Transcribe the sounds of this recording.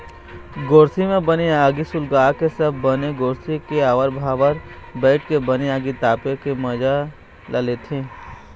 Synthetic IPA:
ɡoːɾsimẽbəniaːɡisʊlɡaːkesɐbʱːəneɡoːɾsikeaːʋəɾbʱaːʋəɾbɛːʈkebəniaːɡit̪aːpekemɐd͡ʒa | lʔəlet̪ʰĩː

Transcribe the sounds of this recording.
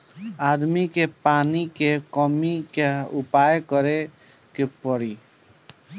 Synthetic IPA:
ad̪mikepanikekɔmikeupajkəɾe | kepɔɽi

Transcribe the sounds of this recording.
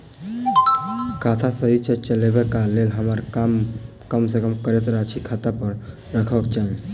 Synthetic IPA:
kʰaːt̪ʰasəɦit͡ʃət͡ʃəlebekaleːlɦəmaɾam | kəmsekəmkəɾet̪ɾaːt͡ʃʰikʰaːt̪apəɾ | ɾəkʰəkt͡ʃaːɦe

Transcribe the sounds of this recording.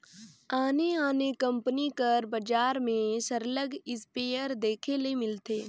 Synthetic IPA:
aːneaːnekɐ̃mpənikɐɾbɐd͡ʒaːɾmẽsəɾləɡɪspeːjəɾd̪eːkʰelemɪlt̪eː

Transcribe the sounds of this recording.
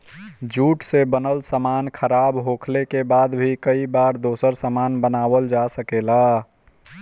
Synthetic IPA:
d͡ʒuʈsebənəlsəmankʰəɾabɦokʰlekebad̪bʱikəibaɾd̪osəɾsəmanbənabəld͡ʒasəkela

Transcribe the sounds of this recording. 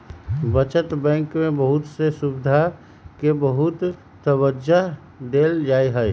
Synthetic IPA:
bət͡ʃət̪bɛ̃ːŋkmẽbəɦʊt̪sesubɪd̪ʱa | kebəɦʊt̪ː | əbəd͡ʒa | d̪eld͡ʒaːiɦəj

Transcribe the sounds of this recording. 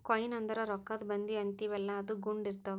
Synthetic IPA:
kɔjnɐnd̪ɐɾɐɾɔkːɐd̪bɐnd̪iɐnt̪iʋɛlːɐːd̪uɡuɳɖiɾt̪ɐʋ

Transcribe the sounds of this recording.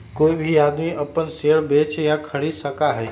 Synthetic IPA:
koːibʱiaːd̪miʔəpənseɽbet͡ʃjakʰəɽisəkaɦɛj

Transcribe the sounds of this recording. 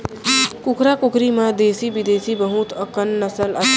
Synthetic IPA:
kʊkɾakʊkɾimãd̪eːsibid̪eːsibəɦut̪əkənːəsələ

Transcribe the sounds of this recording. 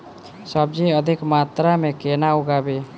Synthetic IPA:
səb̚d͡ʒiəd̪ʱikmat̪ɾamekenauɡabe

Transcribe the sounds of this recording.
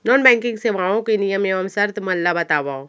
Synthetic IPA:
nɔːnbɛ̃ːŋkɪ̃ŋɡseʋãːõkenɪjəmeʋəmsɐɾt̪mɐlːabɐt̪aːʋaːõ

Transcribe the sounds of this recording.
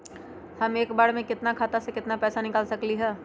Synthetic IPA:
hɐmeːkbaːɽmẽkɪt̪nakʰaːt̪asekɪt̪napɛːsanɪkaːlsɐkliɦɛː

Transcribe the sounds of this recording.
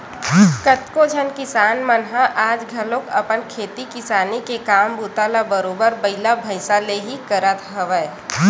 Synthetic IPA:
kət̪kod͡ʒʱənkɪsaːnmənɦaʔaːd͡ʒɡʱɐlõkɐpənkʰeːt̪ikɪsaːnikekaːmbuːt̪alabəɾoːbəɾbɐɪlabʱəɪsaleɦikəɾət̪ɦɐʋə

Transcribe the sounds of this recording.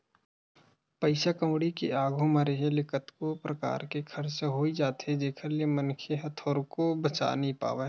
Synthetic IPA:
pɐɪsakɐ̃wɽikḛaːɡʱomɐɾeɦẽlɪkət̪kopɾɐka̰ːɾkekʰɐɾt͡ʃɦoːid͡ʒaːt̪ɦɛ̃d͡ʒeːkʰəɾliemɐnkʰeɦɐt̪ʰoːɾkobɐt͡ʃa̰ːnɐɦĩpa̰ːʋe

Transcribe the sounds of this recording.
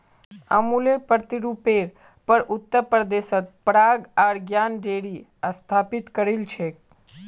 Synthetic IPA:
ə̰muleɾpəɾt̪iɾupeɾ | pəɾʔut̪ːəɾpɾəd̪eʃət̪̚pɾaɡaɾɡjanɖeɽi | əst̪ʰapit̪kəɾilt͡ʃʰe

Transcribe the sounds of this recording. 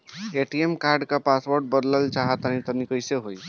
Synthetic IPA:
eʈiemkaɾɖkapasboɾɖ̚bəd̪ləlt͡ʃaɦət̪anit̪ənikəjseɦoj

